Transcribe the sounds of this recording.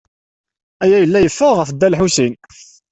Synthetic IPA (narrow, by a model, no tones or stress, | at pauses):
æjæjəlːæjəfːəʁəfd̪ːælħusin